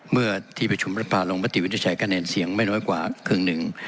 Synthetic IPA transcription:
mɯ˥˩ɐt̪ʰiː˥˩pɾa˧t͡ɕʰu˧mpɾa˧˩pʰaː˧˩lo˧ŋmaː˧˥˩t̪i˨˩w̪ʰi˧˦t͡ɕʰa˨˩˦kaː˧neː˧nsi˩˦əŋma˥˩jnɔː˦˥jkwaː˨˩kʰɯː˧˩ŋnɯ˨˩ŋ

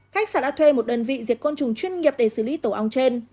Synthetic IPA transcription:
xa˦˥k̟̚saː˧˩ɗa̰ː˧˥t̪ʰwe˧mo˨˩t̚ɗəː˨˩nvḭ˧˨zi˨˩ək̚ko˧nt͡ɕʊ˨˩ŋ͡mt͡ɕwi˧ənŋi˨˩əp̚ɗe˧˩sɨ˧˩li˨˦t̪o˧˩ʔa˧wŋ͡mt͡ɕe˧n

